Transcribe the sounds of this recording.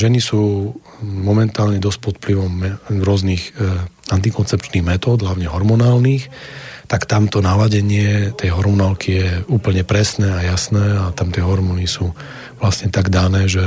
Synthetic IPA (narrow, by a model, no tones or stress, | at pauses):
ʒɛnisuː | mɔmɛnt̪aːlɲɛd̪ɔsc̚pɔt̪pliʋɔmːɛɾʊɔzniːxant̪ikɔnt͡sɛpt͡ʃniːɣmɛt̪ɔːd̪ɦlaʊɲɛɦɔɾmɔnaːlniːxt̪akt̪amt̪ɔnalaɟɛɲɪɛt̪ɛjɦɔɾmɔnaːlkʰijɛuːpl̩ɲɛpɾɛsnɛːajasnɛːat̪amt̪ɪɛɦɔɾmɔnisuː | ʋlasɲɛt̪aɡd̪anɛːʒɛ